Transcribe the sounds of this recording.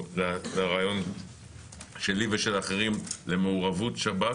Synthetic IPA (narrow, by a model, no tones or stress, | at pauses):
lalaʁajo̞n | ʃe̞liveʃelaχeʁimlemeuʁavutʃaba